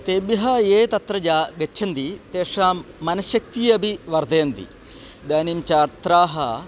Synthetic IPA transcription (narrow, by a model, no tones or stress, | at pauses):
t̪eːbjɐɦɐjeːt̪ɐt̪ɾɐd͡ʒaːɡɐt͡ʃːʰɐnd̪it̪eːʂaːɐnɐʃjɐk̚t̪iːɐbʱiʋɐɾd̪ʱeːnd̪ḭ | d̪aːnimt͡ʃaːɾt̪ɾaːɦɐ